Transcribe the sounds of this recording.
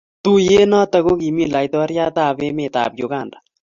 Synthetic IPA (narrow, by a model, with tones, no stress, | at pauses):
t̪u˦je˦na˦t̪a˨ɣo˦ki˨mi˦la˨jt̪ɔ˦ɾja˦t̪a˦˨βe˦me˨t̪a̰˨pjo˨ɣa˨nda